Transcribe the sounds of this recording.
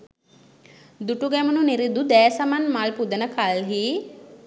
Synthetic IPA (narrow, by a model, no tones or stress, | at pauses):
d̪uʈuɡɛmununiɾid̪ud̪æːsamanmalpud̪ənəkʰalɦiː